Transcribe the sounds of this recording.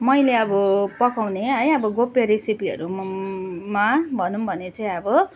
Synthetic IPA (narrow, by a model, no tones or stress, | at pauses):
mʌjleʌbʌpʌkawneʌjʌbʌɡopjeɾesipiʌ̰ɾu | mabʱʌnumbʱʌnet͡sʌĩʌbʌ